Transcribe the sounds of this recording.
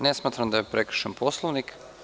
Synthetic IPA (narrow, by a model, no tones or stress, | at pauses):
nesmaːt̪ɾamd̪ajepɾekɾ̩̥ʃanpʰoslˠoʋnik